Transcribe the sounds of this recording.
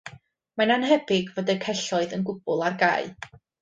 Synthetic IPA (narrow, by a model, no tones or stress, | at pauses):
mananɦɛbɪɡvɔdɛkʰɛɬɔɨðənɡʊb̥ʊlˠarɡaɨ